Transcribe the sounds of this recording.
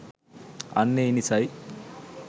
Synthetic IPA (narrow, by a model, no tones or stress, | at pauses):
ɐ̰nːeinisaj